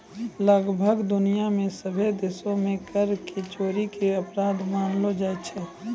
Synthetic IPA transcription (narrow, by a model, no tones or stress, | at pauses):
ləɡbʱəɡd̪ʊnijamẽsəbʱed̪eːsõmẽkəɾket͡ʃoːɾikeɐpɾaːd̪maːnlod͡ʒaːet͡ʃʰɛ